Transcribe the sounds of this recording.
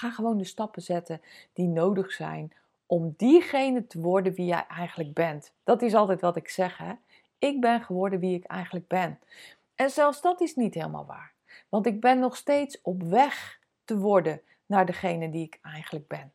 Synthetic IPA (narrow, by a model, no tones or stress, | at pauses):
aːχəʋowndəstɑpəzɛtəd̥inowdəχsɛ̰jn | ʔɔmdiχejnətəʋɔɹdənʋijɛ̰jʔɛjχənləɡ̚bɛnt | d̥ɑtɪs̬ɑlˠtɛjtʋɑtɪksɛχɦɛ | ɪɡ̚bɛnχəʋɔɹdənʋiɪkɛ̰jχənləɡ̚bɛn | ʔɛnzɛlˠfsdɑtɪsnitɦeːlˠma̰lˠʋa̰ːɹ | ʋɑntɪɡ̚bɛnːɔχstejtsɔpʋɛχ | təʋɔɹdə | naːɹdəχejnəndiɪkɛjχənləɡ̚bɛn